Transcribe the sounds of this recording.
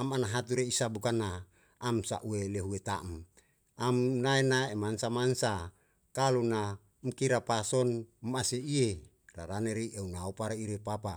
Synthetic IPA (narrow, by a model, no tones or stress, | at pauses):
amanaɦat̪̬uɾeisabukanaː | msa̰ʔueleɦuet̪aʔm | amnaenaemansamansa | kaluna | mkiɾapasɔnmaseie | ra̰ɾaneɾiʔeunaopaɾaiɾepapa